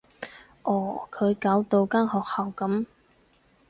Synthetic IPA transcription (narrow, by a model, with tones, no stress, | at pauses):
ʔɔː˨˩kʰɵ˨˧ɥkaː˨˥wt̪o˧wkaː˥nhɔː˨k̚hɐ˨wkɐ˨˥m